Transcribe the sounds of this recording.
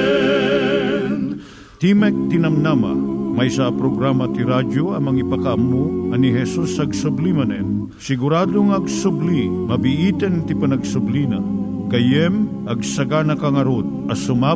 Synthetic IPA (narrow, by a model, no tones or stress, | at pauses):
t̪imɛk̚t̪inɐmnamɐ̰mɐjsɐpɾoɡɾamɐt̪iɾad͡ʒoɐmɐŋipɐkɐɐmːuʔɐniɦɛsusɐɡsʊblimɐnɛn | sɪɡʊɾaːd̪oŋɐɡsʊblimɐbiʔit̪ɛnt̪ipɐnɐɡsʊblinɐ | kɐjɛm | ʔɐɡsɐɡanɐkɐŋɐɾod̪̚ | ɐsʊma